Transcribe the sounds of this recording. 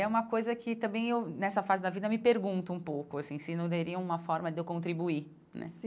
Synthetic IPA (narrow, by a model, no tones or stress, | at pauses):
ɛũmɐkojzɐkʰɪt̪ɐ̃mbẽj̃ewnɛsɐfazɪd̪ɐvid̪ɐmɪpeɾɡũnt̪ʊũpowkʊasĩsɪnɐ̃w̃d̪eɾiɐ̃ũmɐfɔɾmɐd̪ɪewkõnt̪ɾibui | nɛ̰